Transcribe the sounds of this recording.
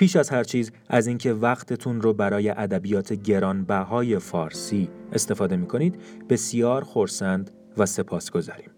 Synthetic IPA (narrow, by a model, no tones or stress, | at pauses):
pʰiːʃæzhæɾt͡ʃʰiːz | æziːŋcʰe̞væɣt̪ʰe̞t̪ʰunɾobæɾɒːje̞ʔæd̪æbijɒːt̪ʰe̞ɟe̞ɾɒːnbæɦɒːje̞fɒːɾsiːe̞st̪e̞fɒːd̪e̞miːkʰo̞niːd̪be̞sijɒːɾxo̞ɾsænd̪ | væse̞pʰɒːsɡ̥o̞zɒːɾiːm